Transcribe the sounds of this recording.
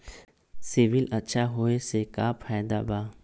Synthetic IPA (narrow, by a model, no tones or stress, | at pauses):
sɪʋɪlɐtːʃʰaɦoesekaːpʰaːjd̪a̰baː